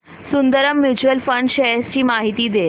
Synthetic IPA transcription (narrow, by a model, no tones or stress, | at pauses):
sund̪əɾəmːjut͡ɕuəlfəɳɖɕeest͡ɕiːmaɦit̪iːd̪e